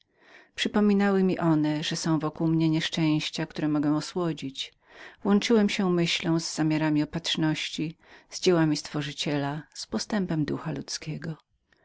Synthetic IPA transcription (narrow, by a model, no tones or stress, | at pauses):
pʂɘpɔmʲinawɘmʲiʔɔnɛʐɛsɔ̃w̃vɔkuwmɲɛɲɛʂt͡ʂɛ̃j̃ɕt͡ɕak̚t̪uɾɛmɔɡɛ̃ɔswɔd͡ʑit͡ɕ | vwɔnt͡ʂɘwɛmɕɛmɘɕlɔ̃w̃zːamʲjaɾamʲiɔpatʂnɔɕt͡ɕiz̥d͡ʑɛwamʲist̪fɔʐɘt͡ɕɛlaspɔst̪ɛmpɛmd̪uxalut̪skʲɛɡɔ